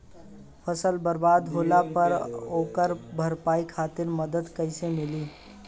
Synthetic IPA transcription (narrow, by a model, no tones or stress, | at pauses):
pʰəsəlbəɾbaːd̪ɦoːlapəɾoːkəɾbʱəɾpaːikʰaːt̪ɪɾməd̪əd̪kəɪsemɪliː